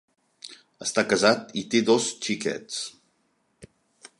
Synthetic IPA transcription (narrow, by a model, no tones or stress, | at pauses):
əst̪akəzat̪it̪eðost͡ʃikɛ̰ts